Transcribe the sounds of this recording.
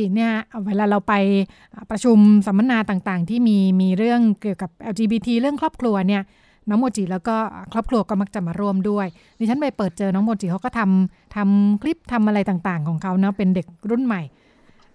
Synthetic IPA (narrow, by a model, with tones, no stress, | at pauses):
i˨˩ni˥˩ɐweː˧laː˧ɾa˧wpa˧jʔːpɾa˧t͡ɕʰu˧msa˨˩˦mːa˧˥naː˧t̪aː˨˩ŋt̪aː˨˩ŋt̪ʰiː˥˩miː˧miː˧ɾɯ˥˩əŋki˨˩əwka˨˩p̚ʔɛ˧wt͡ɕiː˧biː˧t̪ʰiː˧ɾɯ˥˩əŋkʰɾɔː˥˩p̚kʰlu˧ɐni˥˩ɐ | nɔː˦˥ŋmoː˧t͡ɕiː˨˩lɛː˦˥wkɔː˥˩˨kʰɾɔː˥˩p̚kʰɾu˧ɐkɔː˥˩ma˦˥k̚t͡ɕa˨˩maː˧ɾu˥˩əmdu˥˩əj | niː˧˩t͡ɕʰnpa˧jpɤː˨˩t̪̚t͡ɕɤː˧nɔː˦˥ŋmoː˧tt͡ɕiː˨˩kʰa˦˥wkɔː˥˩t̪ʰa˧m | t̪ʰa˧mkʰli˦˥˩p̚t̪ʰa˧mʔa˧ɾa˧jt̪aː˨˩ŋt̪aː˨˩ŋkʰɔː˩˦ŋkʰa˦˥wnɔ˦˥pe˧nde˨˩k̚ɾu˥˩nma˨˩j